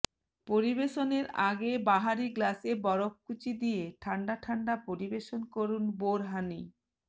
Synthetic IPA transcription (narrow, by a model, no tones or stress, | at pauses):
poɾibeʃoneɾaɡebaɦaɾiɡlasebɔɾokːut͡ɕid̪ijeʈʰaɳɖaʈʰaɳɖapoɾibeʃonkoɾunboɾɦani